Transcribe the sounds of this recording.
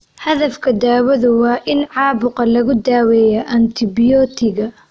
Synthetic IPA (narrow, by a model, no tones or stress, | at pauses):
hɐðɐfkʰɐd̪aːwɐðʊwaːʔɪnʕɑːbʊqɑlɐɣʊd̪aːwɛːjɐʔɐnt̪ʰɪbɪjɔːt̪ʰɪɡɐ